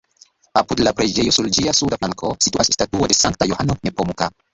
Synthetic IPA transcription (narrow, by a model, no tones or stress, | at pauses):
apudlapɾed͡ʒe̞jo̞suld͡ʒiasudaflaŋko̞situasstatuode̞saŋk̚tajohanonepomuka